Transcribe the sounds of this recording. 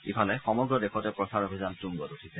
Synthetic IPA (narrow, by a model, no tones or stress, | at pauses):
ipʰalɛxɔmɔɡɹɔdexʰɔtɛpɹɔsaɹobʱizantuŋɡɔtutʰisɛ